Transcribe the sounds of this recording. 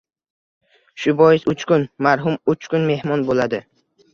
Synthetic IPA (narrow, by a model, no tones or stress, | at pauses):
ʃʊbɒjɪsʊt͡ʃkʊnmaɾɦʊmʊt͡ʃkʊnme̞hmɒnbolad̪ɪ